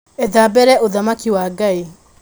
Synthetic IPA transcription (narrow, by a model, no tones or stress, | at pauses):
ɛðabɛɾɛʔoðamakiwaɡai